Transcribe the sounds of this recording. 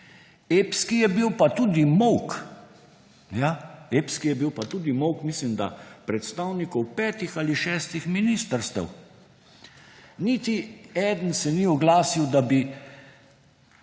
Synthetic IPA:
eːpskijɛbiwpat̪ud̪imɔwk | jaeːpskijɛbiwpat̪uːd̪imɔwkmislimd̪a̰pɾɛt̪st̪aːwnikɔwpɛːt̪ixaliʃɛːst̪ixminist̪əɾst̪ə̰w | nit̪iɛːd̪ənsɛniɔɡlaːsiwd̪abi

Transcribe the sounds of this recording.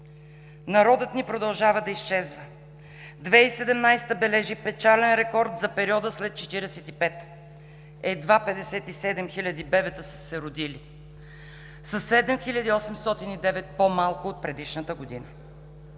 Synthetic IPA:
nɐɾɔd̪ət̪nipɾod̪ɐlˠʒavəd̪ɐist͡ʃɛzvə | d̪vɛisɛd̪ɛmnajst̪əbɛlɛʒipɛt͡ʃalɛnɾɛkɔɾd̪zɐpɛɾiɔd̪əslɛt̪̚t͡ʃɛt̪iɾɛsɛt̪ipɛt̪ | ɛd̪vapɛd̪ɛsɛt̪isɛd̪ɛmxilʲɐd̪ibɛvɛt̪əsə̥sɛɾʊd̪ili | sɐsːɛd̪ɛmxilʲɐd̪iɔsɛmst̪ɔt̪inid̪ɛvɛt̪̚pomalˠkʊot̪̚pɾɛd̪iʃnət̪əɡod̪inə

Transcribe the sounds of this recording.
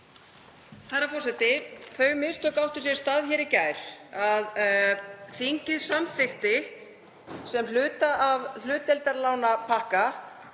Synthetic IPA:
θaɾafɔr̥sɛt̪ɪθœːɥmɪst̪ɔkawht̪ʏsjɛ̥st̪aːðçɛːɾɪcajɾ̥að | θiɲcɪðsamθɪxt̪ɪ | sɛmlʏːt̪aʔavl̥ʏːt̪ɛlt̪aɾlaːwnapʰahka

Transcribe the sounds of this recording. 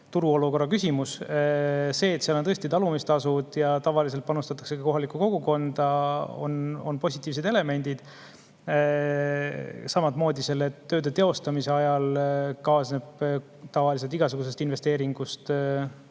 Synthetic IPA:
t̪uɾuo̞luko̞rːɑkysʲimus | se̞ːt̪seɑlont̪ɤsʲt̪it̪ɑlumist̪ɑsud̪̥jɑt̪ɑvɑlis̬elt̪̚pɑnust̪ɑt̪ːˑɑ̥kse̞kɑko̞ɦɑlikːˑuko̞ɡ̥uko̞nd̪̥ɑo̞̰no̞̰npo̞sʲit̪ːˑiːvs̬ed̪e̞le̞me̞nʲd̪̥id̪̥ | sɑmɑt̪mo̞ːd̪ise̞lːeø̞ːd̪et̪e̞o̞st̪ɑmise̞ɑjɑlkɑːsneb̥ | t̪ɑvɑlis̬e̞lt̪iɡɑsuɡ̥us̬e̞st̪invest̪e̞ːɾiŋɡ̥ust̪

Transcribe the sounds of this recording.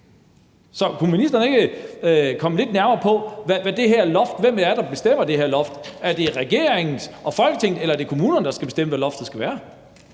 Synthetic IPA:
sɒ̽kʰuminisd̥ɐnəe̝ɡ̥ə | kʰɒ̽məle̝d̥næɐmɐːpʰɒ̽ʋæʋæd̥e̝ɦæɐ̰lɒ̽fd̥ʋem̰æɐd̥ɑ̈b̥e̝sd̥em̰ɐd̥e̝heɐ̰lɒ̽fd̥æɐd̥e̝ʁɛɡ̥e̝ɐeŋn̩ɒ̽fɒ̽lɡ̥ət͡sʰe̝ŋ̰d̥̩elɐæɐde̝kʰo̝muːnɐnəd̥ɑ̈sɡ̥æb̥e̝sd̥em̰əʋælɒ̽fd̥ð̩ˠsɡ̥æʋæːɐ

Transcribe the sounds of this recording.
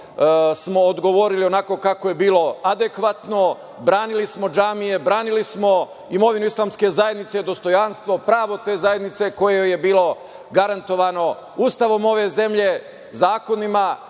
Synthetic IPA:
smo̞ːd̪ɡo̞ʋo̞ɾilio̞nako̞kakoje̞biːlˠo̞ad̪ekʋat̪no̞ | bɾaːnilismo̞d͡ʒaːmije̞bɾaːnilismo̞ | imo̞ʋinuislaːmske̞zajed̪nit̪se̞d̪o̞st̪o̞janst̪ʋo̞pɾaːʋo̞t̪e̞ːzaje̞d̪nit̪se̞ko̞jeeje̞biːlˠo̞ | ɡaɾant̪o̞ʋano̞ | uːst̪aʋo̞mo̞ʋe̞ze̞mʎe̞ | zaːko̞nima

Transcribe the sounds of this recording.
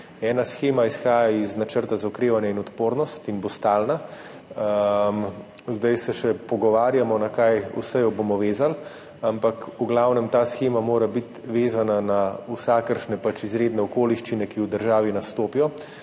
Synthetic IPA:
ɛːnasxeːmaisxaːjaiznat͡ʃəɾt̪azaɔkɾeːʋanjainɔt̪poːɾnɔst̪inbost̪aːlna | m | zd̪ajsɛʃɛpɔɡɔʋaːɾjamɔnakajṵsɛjɔbomɔʋeːzal | ampakuɡlawnɛmt̪aːsxeːmamoːɾabit̪ʋeːzananausaːkəɾʃnɛpat͡ʃizɾeːd̪nɛɔkoːliʃt͡ʃinɛkiwd̪əɾʒaːʋinast̪oːpijɔ

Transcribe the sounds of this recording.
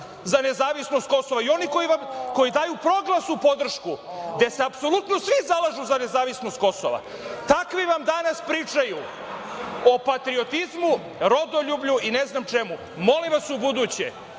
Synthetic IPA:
zane̞zaːʋisno̞st̪̚ko̞soʋaio̞niko̞jiʋamko̞jid̪aːjupɾo̞ɡlˠasupo̞d̪r̩ʃkud̪e̞seapso̞lut̪no̞sʋizalˠaʒuzane̞zaːʋisnost̪̚ko̞so̰ʋa̰ | t̪akʋiʋamd̪anaspɾiːt͡ʂaju | o̞pat̪ɾiot̪izmu | ɾo̞d̪oʎubʎuineznamt͡ʃe̞mu | mo̞limʋasubud̪uːt͡ɕḛ

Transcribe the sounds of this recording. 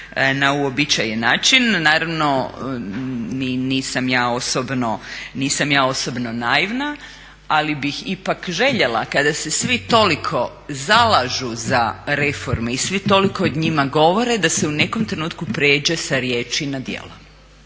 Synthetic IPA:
nauobit͡ʃajenaːt͡ʃinːaːɾaʋno̞ | niniːsamjaːo̞sobnoniːsamjaːo̞sobno̞naiʋna | alibixipakʒe̞ʎelˠa̰kad̪ase̞sʋit̪o̞likʰo̞ | zalˠaʒuzaɾe̞fo̞ɾmeisʋit̪o̞likood̪ɲimaɡo̞ʋo̞ɾe̞d̪aseune̞ko̞mt̪ɾe̞nuːt̪kupɾeːd͡ʒesaɾjeːt͡ʃinad̪jḛlo

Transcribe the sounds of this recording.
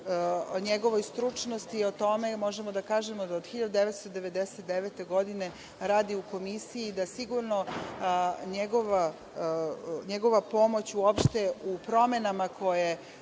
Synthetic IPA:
oɲeɡo̞ʋo̞jst̪ɾut͡ʃnost̪io̞t̪o̞me̞mo̞ʒemod̪akaːʒemo̞d̪aod̪xiʎad̪ud̪eʋet̪st̪o̞d̪e̞ʋe̞d̪eset̪̚d̪eʋeːt̪e̞ɡo̞d̪ine̞ | ɾaːd̪iuko̞misijiːd̪asiɡuɾno̞ | ɲeɡo̞ʋa | ɲeɡo̞ʋapo̞mo̞t͡ɕuopʃt̪eupɾo̞me̞namakʰo̞je

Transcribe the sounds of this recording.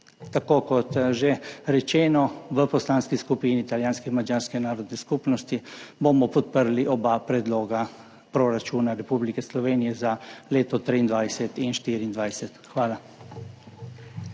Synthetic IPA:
t̪akoːkɔt̪ʒeɾɛt͡ʃɛːnɔʋəpɔslaːnskiskupiːniːt̪aljaːnskɛinmad͡ʒaːɾskɛnaːɾɔd̪nɛskupnɔst̪ibomɔpɔt̪̚pəɾliʔɔbapɾɛd̪loːɡa | pɾɔɾat͡ʃuːnaɾɛpublikɛslɔʋeːnijɛzaleːt̪ɔt̪ɾiːnd̪ʋajsɛt̪inʃt̪iːɾiːnd̪ʋajsɛt̪xʋaːla

